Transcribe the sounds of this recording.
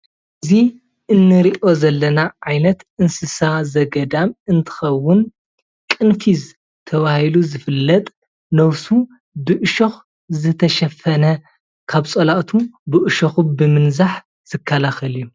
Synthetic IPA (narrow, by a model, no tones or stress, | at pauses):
ʔʔɨzi | ʔɨnːɨɾiʔo̞zɐlːɐnaʕajnɐt̪ʔɨnsɨsazɐɡɐd̪amɨnt̪ʰɨ̥xɐwːʊn | kʼɨnfiz | t̪ʰɐβahiluzɨfɨlːɐt̪ʼ | nɐwsu | bɨʔɨʃox | zɨt̪ʰɐʃɐfɐnɐ | kʰaβt͡sʼɐlaʔt̪ʰubɨʔɨʃoxubɨmɨnzaħ | z̥ɨkʰːɐlaxɐlju